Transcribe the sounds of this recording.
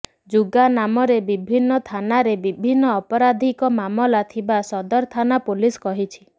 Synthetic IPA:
d͡ʒuɡanamɔɾebibʱinːɔt̪ʰanaɾebibʱinːɔːpɔɾad̪ʱikɔmamɔlat̪ʰibasɔd̪ɔɾt̪ʰanapuliskɔɦit͡ʃʰi̥

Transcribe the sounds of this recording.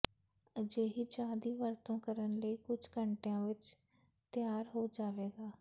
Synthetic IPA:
əd͡ʒeːɦiːd͡ʒaːd̪iːʋəɾt̪õːkəɾənləiːkʊd͡ʒkəɳʈejãːʋɪt͡ʃ | t̪jaːɾɦoːd͡ʒaːʋeːɡaː

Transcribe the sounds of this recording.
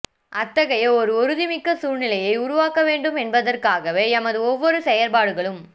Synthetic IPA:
ʔɐt̪ːɐɣɐjɐɔɾɯɔɾɯðɪmɪkːɐsuːɻnɪlɐjɐɪʊɾʊʋaːkɐʋeːɳɖɯmɛnbɐðɐrkaːɣɐʋeːɛmɐðɯɔʋːɔɾɯsɛjɐɾbaːɽɯɣɐɭɯm

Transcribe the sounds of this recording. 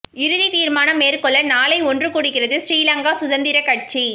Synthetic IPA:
ɪɾɯðit̪iːɾmaːnɐmeːɾkɔɭːɐnaːlɐɪɔndrɯkuːɽɪkːɪrɐðɯsɾiːlɐŋɡaːsʊðɐnd̪ɪɾɐkɐʈ̚t͡ʃi

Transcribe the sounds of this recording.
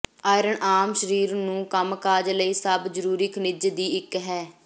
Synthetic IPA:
aːɪɾəɳʔaːmʃəɾiːɾnũːkəmkaːd͡ʒləiːsəbd͡ʒəɾuːɾiknɪd͡ʒd̪iːɪkɦɛː

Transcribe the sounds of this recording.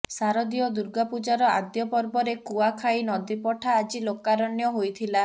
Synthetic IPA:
saɾɔd̪ijɔd̪uɾɡapud͡ʒaɾɔad̪jɔpɔɾbɔɾekuakʰainɔd̪ipɔʈʰaːd͡ʒilokaɾɔnjɔɦojt̪ʰila

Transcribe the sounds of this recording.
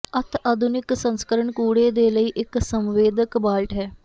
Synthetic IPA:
ət̪ʰad̪ʱʊnɪksənskəɾəɳkuːɽeːd̪eːləiːʔɪksəmʋeːd̪əkbaːlʈɦɛː

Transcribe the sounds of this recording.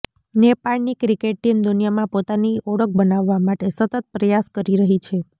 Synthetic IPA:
nepaɭnikɾikeʈ̚ːimd̪unijamãpot̪aniʔɔɽək̚ʰbənaʋːamaʈesət̪ət̪̚pɾəjaskəɾiɾəɦit͡ʃʰe

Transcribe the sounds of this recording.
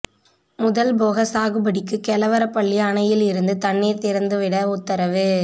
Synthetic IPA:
mʊðɐlboːɣɐsaːɣɯbɐɽɪkːɯkɛlɐʋɐɾɐpːɐɭːiɐɳɐjɪlɪɾɯnd̪ɯt̪ɐɳːiːɾt̪ɪɾɐnd̪ɯʋɪɽɐʊt̪ːɐɾɐʋɯ

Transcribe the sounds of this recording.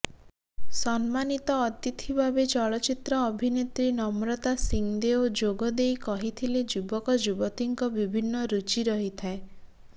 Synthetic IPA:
sɔnmanit̪ɔːt̪it̪ʰibʱabet͡ʃɔɭɔt͡ʃit̪ɾɔːbʱinet̪ɾinɔmɾɔt̪asiŋd̪eod͡ʒoɡɔd̪ejkɔɦit̪ʰiled͡ʒubɔkɔd͡ʒubɔt̪iŋkɔbibʱinːɔɾut͡ʃiɾɔɦit̪ʰae

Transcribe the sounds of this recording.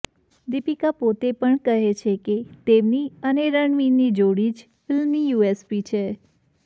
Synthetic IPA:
d̪ipikapot̪epəɳkəɦet͡ʃʰeket̪emniəneɾəɳʋinid͡ʒoɽid͡ʒ | fɪlmnijuespit͡ʃʰe

